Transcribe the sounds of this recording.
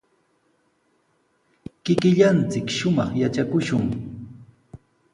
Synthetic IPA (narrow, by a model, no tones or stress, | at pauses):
kɪkɪʎant͡sɪkʃʊmɑχjat͡ʃakʊʃʊŋ